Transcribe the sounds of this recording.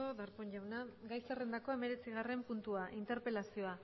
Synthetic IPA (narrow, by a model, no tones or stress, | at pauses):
oðaɾpoɲʝawnaɡajsere̞nd̪ako̞e̞me̞ɾe̞t͡siɣ̞are̞mpunt̪uaʔint̪e̞ɾpe̞lasio̞a